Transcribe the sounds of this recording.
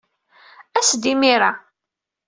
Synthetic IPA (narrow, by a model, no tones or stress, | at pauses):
æsd̪imiɾa